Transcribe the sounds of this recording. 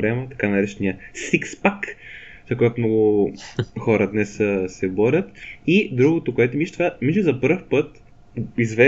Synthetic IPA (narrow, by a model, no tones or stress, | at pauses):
ɾɛmət̪ɐ̥kanɐɾɛt͡ʃɛniəsikspak | zɐk̬ojɛt̪ʊmnɔɡʊ | xɔɾəd̪nɛssɛbɔɾʲət̪id̪ɾuɡot̪okoɛt̪ʊmiʃt̪vamiʃlʲizɐpɤɾfpɤt̪ | izvɛ